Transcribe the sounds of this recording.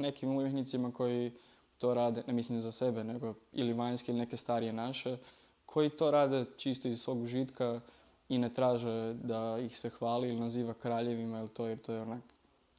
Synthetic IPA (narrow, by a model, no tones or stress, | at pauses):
ne̞kimumjeknit̪simako̞ji | t̪o̞ːɾaːd̪e̞nemislimzase̞be̞ne̞ɡoḭliʋaɲskeiline̞ke̞st̪aːɾije̞naʃe̞ | kʰo̞jit̪o̞ɾaːd̪e̞t͡ʃist̪oizsʋo̞ːɡʒit̪ka | inet̪ɾaːʒed̪aixse̞xʋaːliilinaziːʋakɾaːʎe̞ʋimailit̪ojeɾt̪o̞ːjeonak